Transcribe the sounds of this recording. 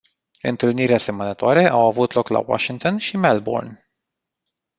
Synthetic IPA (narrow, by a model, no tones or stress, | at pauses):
ɨ̰nt̪ɨlniɾease̞mənət̪oaɾe̞ʔawavut̪lo̞kla̰wa̰ʃiŋt̪onʃimelbo̰rn